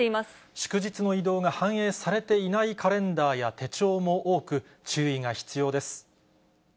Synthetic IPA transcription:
eimas | ɕɨ̥kɯ̟ʑit͡sɨno̞id̪o̞ːɡahãɰ̃e̞ːsaɾe̞t̪e̞inaikʰaɾẽ̞nd̪aːjat̪e̞t͡ɕo̞ːmo̞ʔoːkɯ̟ | t͡ɕɨːiŋaçi̥t͡sɨjo̞ːd̪e̞sɨ̥

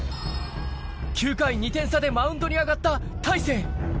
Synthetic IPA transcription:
kʲɨːkaiɲ̟it̪ẽ̞ɰ̃sad̪e̞maɯ̟̃nd̪o̞ɲ̟iaɡat̪ːat̪aise̞ː

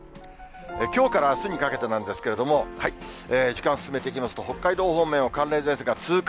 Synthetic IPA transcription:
ekʲo̞ːkaɾasɨɲ̟ikake̞t̪enãnd̪e̞sɨ̥ke̞ɾe̞d̪o̞mo̞haieːd͡ʑikãsɨ̥sɨme̞t̪eikʲimasɨ̥t̪o̞ho̞kːaid̪o̞ːhõ̞mːẽ̞ɰ̃o̞kãnɾẽ̞zẽ̞seɡat͡sɨːk

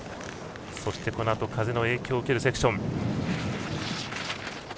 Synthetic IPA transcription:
so̞ɕi̥t̪e̞ko̞noat̪o̞kʰazeno̞e̞ːkʲo̞ːɯ̟ke̞ɾɯ̟se̞kɯ̟̥ɕõ̞ŋ

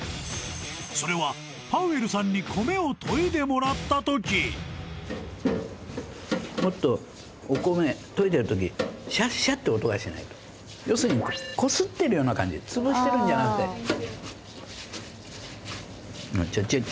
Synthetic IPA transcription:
so̞ɾe̞βa | paɯ̟e̞ɾɯ̟sãɲ̟ːikʰo̞me̞ot̪ʰo̞id̪e̞mo̞ɾat̪ːat̪o̞kʲi | mo̞t̪ːo̞ː | ko̞me̞t̪o̞it̪e̞ɾɯ̟t̪ok̬ʲiɕaɕat̪ːeot̪o̞ɡaɕina̰it̪o̥ | jo̞ːsɨɲ̟iko̞sɨt̪ːe̞ɾɯjo̞ːnakãɲ̟d͡ʑḭt͡sɨbɯɕi̥t̪eɾɯ̃ɲd͡ʑanakɯ̟t̪ːe̞̰ | no̰t͡ɕot͡ɕo

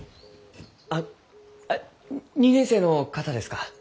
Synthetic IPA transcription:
a | ɲ̟inẽse̞ːno̞kat̪ad̪e̞sɨ̥ka

